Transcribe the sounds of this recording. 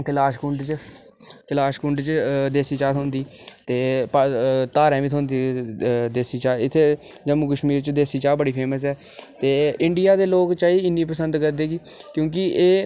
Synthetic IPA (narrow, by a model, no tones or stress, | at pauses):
kɪlaːʃkʊɳɖt͡ʃ | kɪlaːʃkʊɳɖt͡ʃd̪eːsiːt͡ʃaːɦõnd̪iːt̪eːpt̪aːɾɛ̃ːʋit̪ʰɦõnd̪iːd̪eːsiːt͡ʃaːɪt̪ʰːeːd͡ʒəmũːk̬əʃmiːɾt͡ʃd̪eːsiːt͡ʃaːbəɽiːpʰeːməs̬ɛːt̪eːɪɳɖɪjaːd̪eːloːkt͡ʃaːiɪnːiːpəsənd̪kəɾd̪eːɡiːkjõːk̬ɪeː